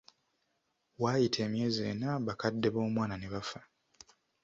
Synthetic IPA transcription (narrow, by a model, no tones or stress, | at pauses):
waːjitʰe̞ːmje̞ːzie̞ːnaβakadːe̞βo̞ːmwaːnane̞βafḁ